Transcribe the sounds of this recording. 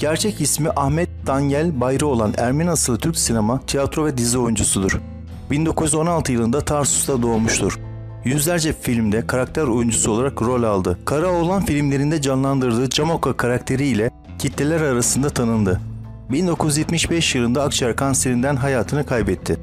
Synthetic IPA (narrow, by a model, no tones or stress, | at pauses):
ɟ̥æɾt͡ʃʰɛcismiʔahmɛt̪̚d̪anjælʲbajɾɯo̞lˠanæ̰ɾmenasɯlˠɯt̪ʰyɾcsinemat̪ʰijat̪ɾo̞vɛd̪izio̞jund͡ʒusud̪uɾ̥ | bind̪o̞kʰuzjyzo̞nalˠt̪ʰɯjɯlˠɯnd̪at̪ʰaɾsu̥sd̪ad̪o̞ːmuʃt̪ʰuɾ̥ | jyzlʲæɾd͡ʒɛfilʲmd̪ɛkʰaɾak̚t̪ʰæɾo̞jund͡ʒusu̞lˠaɾakɾo̞lʲalˠd̪ɯkʰaɾao̞lˠanfilʲimlʲe̞ɾind̪ɛd͡ʒanlˠand̪ɯɾd̪ɯːd͡ʒamokakʰaɾakt̪ʰe̞ɾiːlʲɛ | cʰit̪lʲelʲæɾaɾasɯnd̪at̪ʰanɯnd̪ɯ | bind̪o̞kʰujyzjɛt̪miʃbɛʃjɯlˠɯnd̪aːkt͡ʃʰaɾkʰanse̞ɾind̪ænɦajaːt̪ʰɯnɯkʰajbɛt̪ʰːɪ